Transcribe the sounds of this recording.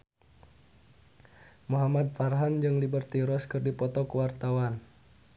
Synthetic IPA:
muɦamat̪̚farɦand͡ʒɨŋlibərt̪iɾɔskɨrdipɔt̪ɔkəwart̪awan

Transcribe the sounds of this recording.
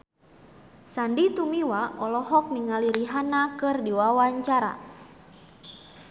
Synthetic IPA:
sandit̪umiwaɔlɔɦɔk̚niŋaliɾiɦanakɨrdiwawaɲt͡ʃaɾa̰

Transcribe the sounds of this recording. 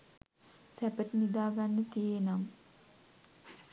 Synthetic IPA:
sæpəʈənid̪aːɡanːət̪ijenam

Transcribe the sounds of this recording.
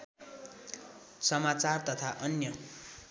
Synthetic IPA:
sʌmat͡sart̪ʌt̪ʰaʔʌnjʌ

